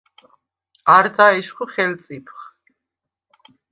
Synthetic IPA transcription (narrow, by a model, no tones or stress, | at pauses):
aɾd̪aɛʃχuχɛlt̪sʼipʰχ